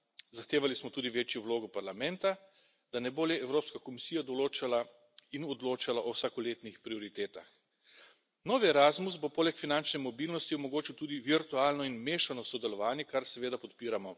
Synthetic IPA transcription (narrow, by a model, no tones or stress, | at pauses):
zaxt̪eːʋalismɔt̪uːd̪iʋeːt͡ʃjɔwloːɡɔpaɾlamɛnt̪a | d̪anɛboːljɛɛwɾoːpskakɔmisijad̪ɔloːt͡ʃala | inɔd̪loːt͡ʃalaʔɔwsakɔleːt̪nixpɾiɔɾit̪eːt̪ax | nɔːʋiɛɾazmus̬bopoːlɛkfinant͡ʃnɛmɔbiːlnɔst̪iɔmɔɡoːt͡ʃiwt̪uːd̪iʋiɾt̪uaːlnɔinmeːʃanɔsɔd̪ɛlɔʋaːnjɛkaɾsɛʋeːd̪apɔt̪piːɾamɔ